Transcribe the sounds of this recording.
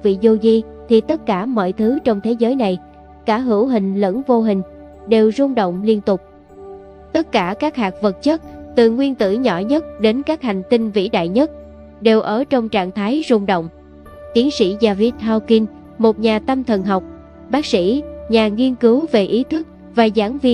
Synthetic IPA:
vḭ˧˨zo˧zi˧t̪ʰi˨˩t̪ə˦˥t̚kaː˧˩mɔ̰˧˨jt̪ʰɨ˨˦t͡ɕɔ˧wŋ͡mt̪ʰe˨˦zəː˨˦jna˨˩j | kaː˧˩ɦɨ˧˩əwɦï˨˩ŋ̟lə̰˧˥nvo˧ɦï˨˩ŋ̟ | ɗe˨˩wzʊ˧ŋ͡mɗə̰˧˨wŋ͡mli˧ənt̪ʊ˨˩k͡p̚ | t̪ə˦˥t̚kaː˧˩kaː˦˥k̚haː˨˩k̚və˨˩t̚t͡ɕə˦˥t̚t̪ɨ˨˩ŋwi˧ənt̪ɨ̰˧˩ɲɔ̰˧˩ɲə˦˥t̚ɗe˨˦nkaː˦˥k̚ha˨˩jŋ̟t̪i˧ŋvḭ˧˥ɗa̰ː˧˨jɲə˦˥t̚ | ɗe˨˩wʔəː˧˩t͡ɕɔ˧wŋ͡mt͡ɕa̰ː˧˨ŋt̪ʰaː˨˦jzʊ˧ŋ͡mɗo̰˧˨wŋ͡m | t̪i˨˦ənsḭ˧˥zaː˨˩vi˦˥t̚haː˧wki˧n | mo˨˩t̚ɲaː˨˩t̪ə˧mt̪ʰə˨˩nɦa˨˩wk͡p̚ | ɓaː˦˥k̚sḭ˧˥ɲaː˨˩ŋi˧ənkɨ˨˦wve˨˩ʔi˨˦t̪ʰɨ˦˥k̚ | vaː˨˩zaː˧˩ŋvi˧

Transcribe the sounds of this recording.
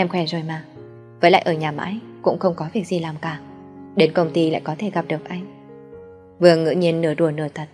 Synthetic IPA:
ʔɛ˧mxwɛ˧˩zo˨˩jmaː˨˩ | vəː˨˦la̰ː˧˨jʔəː˧˩ɲaː˨˩ma̰ː˧˥˦j | kʊ̰˧˥ŋ͡mxə˧wŋ͡mkɔ˨˦vi˨˩ək̚zi˨˩laː˨˩mkaː˧˩ | ɗe˨˦nkə˧wŋ͡mt̪i˧la̰ː˧˨jkɔ˨˦t̪ʰe˧˩ɣa˨˩p̚ɗɨ˨˩ək̚ʔa˧jŋ̟ | vɨ˨˩əŋɨ̰˧˥ɲi˧ənːɨ˧˩əɗu˨˧˩ənɨ˧˩ət̪ʰə˨˩t̚

